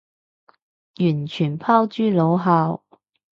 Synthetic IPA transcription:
jyː˨˩nt͡ʃʰyː˨˩npʰaː˥wt͡ʃyː˥lo˨˧wɦaː˧w

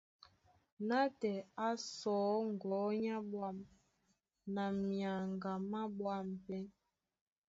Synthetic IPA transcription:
na˦tɛ˨a˦sɔː˨˦ŋ˨ɡɔ˨˦ɲa˦bwa˦˨m | na˨mja˨ŋɡa˨ma˦bwa˦˨m˨pɛ˦n

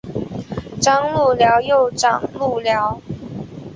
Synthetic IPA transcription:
ʈ͡ʂɑ˥ŋlu˥˩ljɑ˧˥ʊjo˥˨ʊʈ͡ʂɑ̰˨˩ŋlu˥˩ljɑ˧˥ʊ

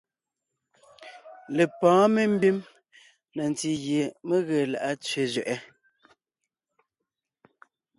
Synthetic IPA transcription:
le˨pɔ̃ː˨˦me˦m̩˦bi˦m | na˨n˨ti˨ɣje˨me˦ɣe˨la̰˨ʔa˦t͡sɥe˨zɥɛ˨ʔɛ˦

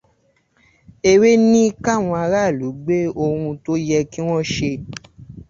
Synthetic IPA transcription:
e˧we˦nĩ˦ka˦˨w̃ɔ̃˧a˧ɾa˦˨lu˨˦ɡ͡be˦o˧ɾũ˧to˦jɛ˧ki˦w̃ɔ̃˦ʃe˧

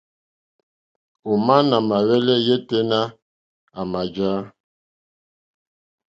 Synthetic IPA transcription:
o˨ma˦na˨ma˨wɛ˦lɛ˦je˦te˦na˦ | a˨ma˨d͡ʒa˦

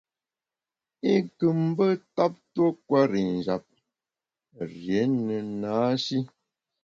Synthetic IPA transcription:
i˦kɨ˨m̩˦bə˦ta˦p̚to˦kwa˦ɾi˨n˨d͡ʒa˨p̚ | ɾje˨˦nə˨naː˨˦ʃi˦

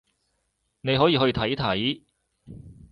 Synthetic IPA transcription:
ne˨˧jɦɔː˨˥jiː˧ɦɵ˧jt̪ʰɐ˨˥jt̪ʰɐ˨˥j

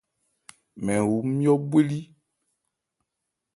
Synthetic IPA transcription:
mɛ̃˨wu˨˦mĩ˦ɔ˦bwe˦li˦

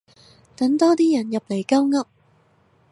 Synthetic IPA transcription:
t̪ɐ˨˥ŋt̪ɔː˥t̪iː˥jɐ˨˩njɐ˨p̚le˨˩jkɐ˥wŋɐ˥p̚

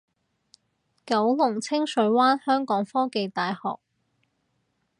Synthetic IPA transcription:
kɐ˨˥wlʊ˨˩ŋt͡sʰɪ˥ŋsɵ˨˥ɥwaː˥nhœː˥ŋkɔː˨˥ŋfɔː˥ke˨jt̪aː˨jhɔ̰ː˨k̚

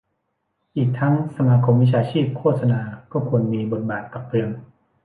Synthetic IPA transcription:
ʔiː˨˩k̚t̪ʰa˦˥ŋsa˧maː˧kʰo˧mwi˦˥t͡ɕʰaː˧t͡ɕʰiː˥˩p̚kʰoː˥˩t̪̚sa˧naː˧kɔː˥˩kʰu˧ənmiː˧bo˨˩t̪̚baː˨˩t̪̚ka˨˩p̚ʰɾɯ˧əŋ

